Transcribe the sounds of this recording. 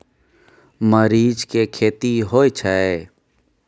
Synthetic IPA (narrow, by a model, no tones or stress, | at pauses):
məɾiːd͡ʒkekʰeːt̪iɦoːet͡ʃʰɛe